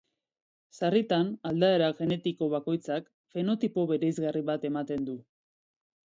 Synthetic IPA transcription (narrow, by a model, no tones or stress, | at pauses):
sarit̪anald̪ae̞ɾaɣe̞ne̞t̪iko̞β̞ako̞jt͡sak | fe̞no̞t̪ipo̞βe̞ɾe̞jzɣariβat̪e̞mat̪e̞nd̪u